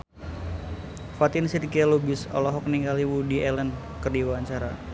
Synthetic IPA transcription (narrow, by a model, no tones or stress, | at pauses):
fat̪ɪnsirkiɛlubɪsɔ̰lɔɦɔk̚niŋɡaliwudiɛlən | kərdiwaɲt͡ʃaɾa